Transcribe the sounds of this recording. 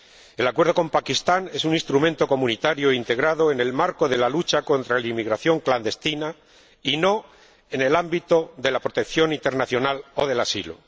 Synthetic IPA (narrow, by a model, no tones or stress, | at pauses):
e̞lakwe̞ɾð̞o̞ko̞mpakist̪ane̞sunĩnst̪ɾumẽnt̪o̞ko̞mũnit̪aɾjoint̪e̞ɣ̞ɾaðo̞e̞ne̞lmaɾko̞ðe̞lalut͡ʃako̞nt̪ɾalimiɣɾaθjo̞ŋkland̪e̞st̪ina | ino̞ | e̞ne̞lambit̪oðe̞lapɾo̞t̪ekθjo̞nint̪e̞ɾnaθjo̞nalo̞ð̞e̞lasilo̰